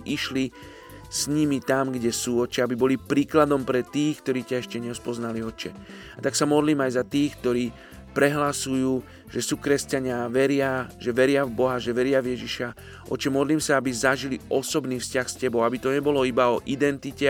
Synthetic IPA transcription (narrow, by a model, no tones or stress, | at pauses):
ʔiʃli | sɲimit̪amɡɟɛsuːɔt͡ʃɛabibɔlipɾiːklad̪ɔmpɾɛt̪iːxkt̪ɔɾiːcaɛʃcɛɲɛspɔznaliɔt͡ʃɛ | at̪aksamɔd̪liːmajzat̪iːxk̚t̪ɔɾiː | pɾɛɦlasujuː | ʒ̥ɛsuːkɾɛscaɲɪaʋɛɾɪaʒɛʋɛɾɪavbɔɦaʒɛʋɛɾɪavjɛʒiʃa | ʔɔ̰t͡ʃɛmɔd̪liːmsaabizaʒiliɔsɔbniːfscaxscɛbɔʊabit̪ɔɲɛbɔlɔibaɔʔid̪ɛnt̪icɛ